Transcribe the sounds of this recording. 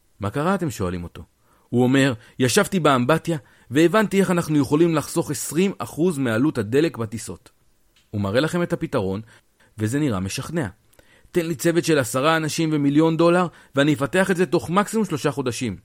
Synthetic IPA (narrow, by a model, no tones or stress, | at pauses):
makaʁaːte̞mʃo̞alimo̞t̪o̞ | huo̞me̞ʁ | jaʃavtibeambatja | ve̞ːvantie̞χanaχnujeχo̞limlaχso̞χe̞sʁimaχuzmealuthade̞le̞kbatiso̞t | umaʁe̞laχe̞me̞thapitaʁ̞o̞n | ve̞ze̞niʁame̞ʃaχne̞a̰ | t̪e̞nlit͡se̞ve̞tʃe̞lasaʁaːnaʃimve̞miljo̞ndo̞laʁ | veanijefate̞aχetze̞to̞χmaksimumʃlo̞ʃaχo̞daʃim